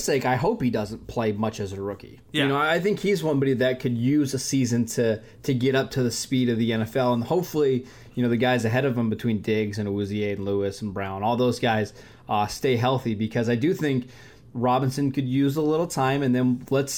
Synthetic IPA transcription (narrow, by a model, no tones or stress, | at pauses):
steɪkaɪɦoʊphidʌzɨ̃n̩pʰl̥eɪmʌt͡ʃɨzɨɹʊkḭ | jɨñoʊaɪθɪ̃ŋkhizwʌ̃nbɑɾiðɨt̚kʰɨd̚jʉzəsizɨ̃ntʰɨ | tʰɨɡɛɾʌp̚tʰɨðɨspiɾʌvðiɛ̃nɛfɛlˠə̃nhoʊpfl̩ˠi | jɨnoʊðɨɡaɪzɨɦɛɾʌvə̃mbɨtʰw̥ĩndɪɡzɨ̃nəʉzieɪɨ̃nluɨsn̩bɹãʊ̃nɔlˠðoʊzɡaɪz̥ | ʌsteɪɦɛlˠθibɨkʰʌzaɪdɨθɪ̃ŋk | ɹɑbɨ̃nsɨ̃nkʰɨd̚jʉzəlɪɾl̩ˠtʰãɪ̃mɨ̃nðɨ̃nləts